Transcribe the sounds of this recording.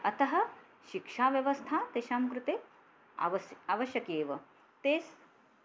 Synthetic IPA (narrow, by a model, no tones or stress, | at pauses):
ɐt̪ɐɦɐ̆ | ʃikʂaːʋjɐʋɐst̪ʰaːt̪eːʃaːmkɾut̪eː | aːʋɐʃjɐkeːʋɐ | t̪eːs